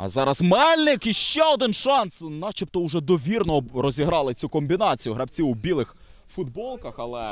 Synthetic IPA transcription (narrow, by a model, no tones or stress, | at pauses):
ɐ̰zɑɾɐzmɛlʲnɪkiʃt͡ʃɛɔd̪ɪnʃɑnsnɑt͡ʃipt̪ɔʊʒɛd̪ɔʋʲirnɔɾɔzʲiɦɾɑlˠɪt͡sʲukɔmʲbʲinɑt͡sʲijʊɦɾɐbt͡sʲiwubʲilˠɪx | fʊd̪bɔlˠkɐxɐlˠɛ